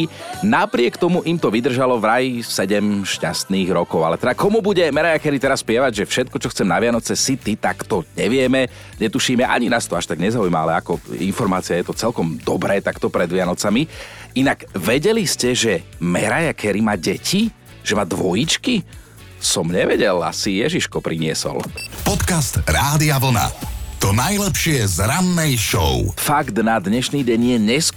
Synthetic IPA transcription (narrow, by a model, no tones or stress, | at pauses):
napɾɪɛkt̪ɔmuʔimt̪ɔʋid̪r̩ʒalɔvɾajisɛɟɛmʃcast̪niːɣɾɔkɔʊalɛt̪ɛd̪akɔmubuɟɛmɛɾajakɛɾit̪ɛɾasːpɪɛʋaɟʒɛfʃɛt̪̚kɔt͡ʃɔxt͡sɛmnaʋɪanɔt͡sɛsit̪it̪akt̪ɔɲɛʋɪɛmɛ | ɲɛt̪uʃiːmɛʔa̰ɲinaːst̪ɔaʃt̪aɡɲɛzaujmaa̰lɛakɔḭnfɔɾmaːt͡siajɛt̪ɔt͡sɛlkɔmd̪ɔbɾɛːt̪akt̪ɔpɾɛd̪ʋɪanɔt͡samiinaɡʋɛɟɛliscɛʒɛmɛɾajakʰɛɾimaːɟɛcʰi | ʒ̥ɛmaːd̪ʋɔjit͡ʃki | sɔmɲɛʋɛɟɛla̰sijɛʒiʃkɔpɾʔiɲɪɛsɔ̰lpɔt̪kast̪ɾaːd̪iaʋl̩na̰t̪ɔnajlɛpʃɪɛzɾanːɛjʃɔ̰ʊfaɡd̪nad̪ɲɛʃniːɟɛɲɪjɛɲɛs